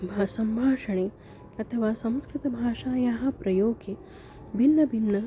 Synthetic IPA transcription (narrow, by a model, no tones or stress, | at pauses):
bʱaːsɐmbʱaːʂɐɳeː | ɐt̪ʰɐʋaːsɐ̃mskɾɪt̪ɐbʱaːʂaːjaːɦɐ̆pɾɐjoːɡe | bʱinːɐbʱinːɐ